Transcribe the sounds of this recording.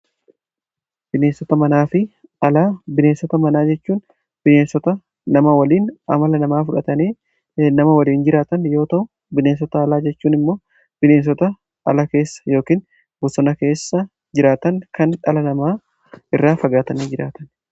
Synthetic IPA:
b̥ɪneːnsɔt̪ɐmɐnaːfɪ | ɐlaːbɪneːnsɔt̪ɐmɐnaːd͡ʒɛt͡ʃːuːn | b̥ɪneːnsɔt̪ɐ | nɐmɐwɐliːnɐ̰mɐlɐnɐmaːfʊᶑɐt̪ɐneː | nɐmɐwɐliːnd͡ʒɪɾaːt̪ɐnjo̞ːt̪ɐʔʊ | bɪneːns̬ɔt̪ɐːlaːd͡ʒɛt͡ʃːuːnɪmːo̞ː | b̥ɪneːns̬ɔt̪ɐ | ɐ̰lɐke̞ːsːɐ̥jo̞ːkiːn | bʊsɔnɐke̞ːsːɐ | d͡ʒɪɾaːt̪ɐŋkɐnᶑɐlɐnɐmaː | ɪrːaːfɐɡaːt̪ɐniːd͡ʒɪɾa̰ːt̪ɐn

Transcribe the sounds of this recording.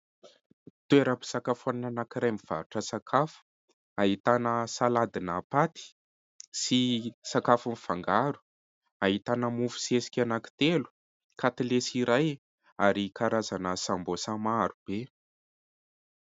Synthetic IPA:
t̪ueɾəapi̥sakafuannanakiɾajmiv̥a̰ɾuʈ͡ʂəsakʰafu̥ | aɦit̪anəsalad̪inapat̪i̥ | sisakafunifaŋɡaɾu̥ | aɦit̪anəmufu̥sesi̥kʲanaki̥t̪elu̥ | kʰat̪ilesiɾaj | aɾikaɾazanəsambosamaɾub̥e

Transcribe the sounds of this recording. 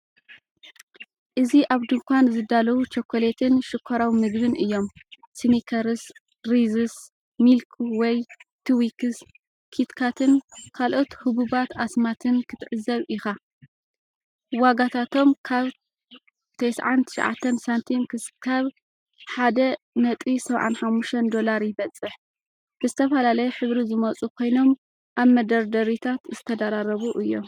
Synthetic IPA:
ʔɨziʔaβd̪ɨŋkʰʷanzɨd̪alɐwut͡ʃɐkʰʷːolet̪ʰɨnʃɨkʷʰːɐɾawimɨɡbɨnʔɨjːo̞m | sɨmikʰɐɾɨs | ɾizɨs | milkʰuwɔjt̪ʰuwikɨs | kʰit̪kʰat̪ʰɨnkʰalʔo̞t̪hɨbubat̪asmat̪ʰɨnkʰɨt̪ʰɨʕɨzɐβʔɪxa | waɡat̪ʰat̪ʰo̞mkʰaβ | t̪ʰejsʕant̪ʰɨ̥ʃʕa̰t̪ʰːɐnsant̪ʰinkɨkʰaβ | ħad̪ɐ | nɐt̪ʼisɐβʕa̰nħamːuʃt̪ʰɐnd̪o̞laɾjɪβɐt͡sʼːɨħ | bɨzɨt̪ʰɐfɐlalɐjɛħɨβɾizɨmɐt͡sʼukʰo̞jno̞m | ʔaβmɐd̪ɐɾd̪ɐɾit̪ʰat̪zɨt̪ʰɐd̪aɾaɾɐβuʔɨjːo̞

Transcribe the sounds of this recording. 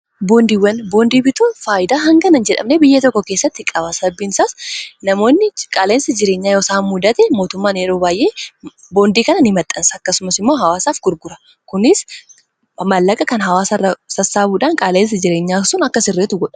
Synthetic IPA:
bo̞ːnd̪iwːɐnbo̞ːnd̪iːbɪt̪uːfaːjɪd̪aːɦɐŋɡɐnɐnd͡ʒɛᶑɐ̰mnebɪjːɐt̪ɔkːɔke̞ːsːɐt̪ːɪkʼɐβɐsɐbːɪnsaːsnɐmo̞ːnːɪkʼaːleːnsɐd͡ʒɪɾe̞ːɲːaːjo̞ːsaːmːʊd̪ɐt̪ɛmo̞ːt̪ʊmːaːneːɾo̞ːbaːjʔe̞ː | bo̞ːnd̪iːkɐnɐnɪmɐt̪ʼːɐnsɐɐkːɐsʊmɐsɪmːo̞ːɦɐwaːsaːfɡʊɾɡʊɾɐ | kʊnɪs | mɐlːɐkʼɐkɐnɦɐwaːsɐrːɐsɐsːaːbuːᶑaːŋkʼaːleːns̬ɐd͡ʒɪɾe̞ːɲːaːsʊnɐkːɐsɪrːeːt̪ʊɡɔᶑɐ̥

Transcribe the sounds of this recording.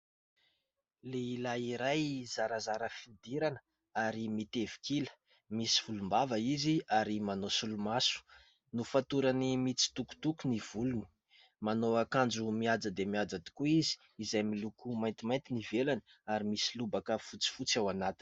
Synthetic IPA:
leilaiɾajzaɾazaɾəfid̪iɾanə̥ | aɾimit̪evi̥kilə̥ | misi̥v̥ulumbavaiziaɾimanosulumasu̥ | nufat̪uɾanimit͡si̥t̪uku̥t̪ukuniv̥uluni̥ | manoakand͡ʒumiad͡zəd̪emiad͡zad̪i̥kuizi̥ | izajmilukumajnt̪imajnt̪inivelanəaɾimisilubakəfut͡si̥fut͡sawanat̪i̥n̥

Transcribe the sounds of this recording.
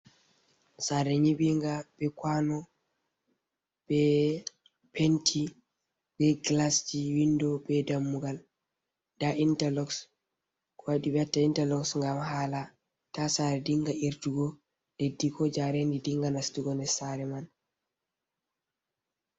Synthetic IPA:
saɾɛɲibiŋɡab̥ɛkwanɔ | b̥ɛ | pentʰi | bɛɡlasd͡ʒiwindɔbɛdamːuɡal | daʔintalɔks | kʰɔwaɗibɛtːaintalɔksŋɡamhaːla | tasaɾɛdiŋɡaiɾtuɡɔ | ɗedːikʰɔd͡ʒaɾendidiŋɡanastuɡɔnɛsaɾɛman

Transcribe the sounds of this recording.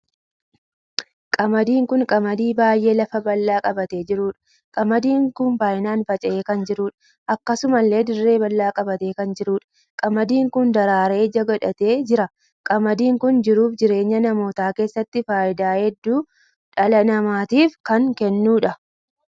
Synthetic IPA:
kʼɐmɐd̪iːŋkʊŋkʼɐmɐd̪iːbaːjʔe̞ːlɐfɐbɐlːaːkʼɐbɐt̪e̞ːd͡ʒɪɾuːᶑɐ̥ | kʼɐmɐd̪iːŋkʊnbaːjɪnaːnfɐt͡ʃʼɐʔeːkɐnd͡ʒɪɾuːᶑ | ʔɐkːɐsʊmɐlːe̞ːd̪ɪrːe̞ːbɐlːaːkʼɐbɐt̪e̞ːkɐnd͡ʒɪɾuːᶑɐ̥ | kʼɐmɐd̪iːŋkʊnd̪ɐɾaːɾe̞ːd͡ʒɐɡɐᶑɐt̪e̞ːd͡ʒɪɾɐ | kʼɐmɐd̪iːŋkʊnd͡ʒɪɾuːfd͡ʒɪɾe̞ːɲːɐnɐmo̞ːt̪aːke̞ːsːɐt̪ːɪfaːjɪd̪aːhɛd̪ːuː | ᶑɐlɐnɐmaːt̪iːfkɐŋkɛnːuːᶑɐ

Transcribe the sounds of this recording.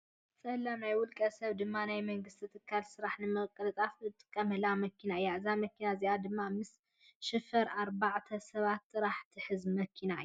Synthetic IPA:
sʼɐlːamnajwʊlkʼɐsɐβd̪ɨmːanajmɐŋɡɨst̪ʰit̪ʰɨkʰːalsɨɾaħnɨmɐɣkʼɐlɨt̪ʼafɨt̪ʼɨ̥kʼːɐmɐlamɐkinaɨjːaɨzamɐkʰinaziʔad̪ɨmːamɨs | ʃɨfɐɾaɾbaʕt̪ʰɐsɐβat̪ʼːɨɾaħt̪ʰiħɨzmɐkʰinaɨju

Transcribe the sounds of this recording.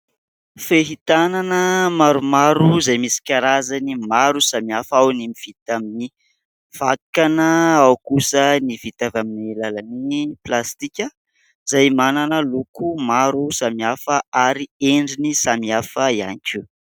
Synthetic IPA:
feɦit̪ananəmaɾumaɾuzajmisi̥kaɾazanimaɾusamiafawnimiv̥it̪amini | v̥akanəawkusənivit̪avaminilalaniplast̪ikʲə | z̥ajmananəlukumaɾusamiafəaɾieɳɖ͡ʐinisamiafəia̰niku

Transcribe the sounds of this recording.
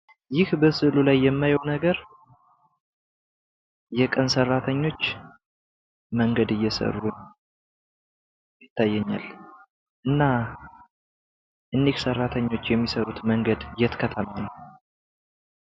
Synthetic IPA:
jɪhbəsɨlulajːɛmːajwwnəɡəɾ | jɛkʼənsərːat̪ʰəɲːo̞t͡ʃː | məŋɡəd̪ɨjːɛsə̰rːun | jɪt̪ːajːɛɲːa̰l | ʔɨnːa | ʔɨndiksərːat̪ʰəɲːo̞t͡ʃːjɛmːisəɾut̪məŋɡəd̪jɛt̪kʰət̪ʰəmanəw

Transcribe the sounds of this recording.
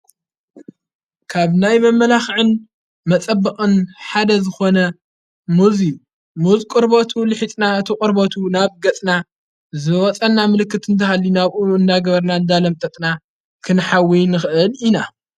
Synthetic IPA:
kʰaβnajmɐmːɐlaxʕɨn | mɐt͡sʼɐbːɨχʼɨnħad̪ɐzɨxo̞nɐ | muzi | muzkʼɨɾbot̪ʰulɨħit͡s̪ʼnaɨt̪ʰikʼɨɾbot̪ʰunaβɡɐt͡sʼna | zɨwɔt͡sʼɐnːamɨlɨkːɨt̪ɨnt̪ʰɐhalːinaβʔuɨnd̪aɡɐβɐɾnaɨnd̪alɐmt̪ʼɐt̪ʼna | kʰɨnħawijnɨxɨʔɨlina

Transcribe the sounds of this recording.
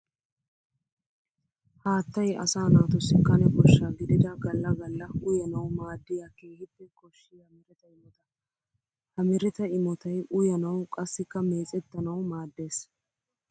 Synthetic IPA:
haːt̪ːɐjɐ̰saːnaːt̪ɔsːɪkːɐnɛbɔʃːaɡɪd̪ɪd̪ɐɡɐlːɐɡɐlːɐʊjɐnɐwmaːd̪ːɪjaːkeːhɪpːɛkʼɔʃːɪjɐmɪɾɛt̪ɐɪmɔt̪ɐ | hɐmɪɾɛt̪ɐɪmɔt̪ɐjʔʊjɐnɐwkʼɐsːɪkːɐme̞ːt͡sʼɛt̪ːɐnɐwmaːd̪ːe̞ːs

